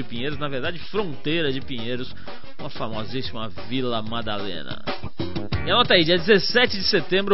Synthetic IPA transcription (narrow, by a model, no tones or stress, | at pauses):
ɪpĩɲejɾʊznɐveɾd̪ad͡ʒɪfɾõnt̪ejɾɐd͡ʒɪpĩɲejɾʊs | ũmɐfamɔzzisimɐvilɐmad̪alḛ̃nɐ̰ | iɐnɔt̪ɐid͡ʒiɐd͡ʒɪzesɛt͡ʃɪd͡ʒɪset̪ẽmbɾʊ